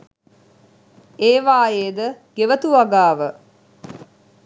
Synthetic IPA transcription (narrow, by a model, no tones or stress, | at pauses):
eːʋaːjeːd̪əɡ̥eʋət̪uʋaɡaːʋə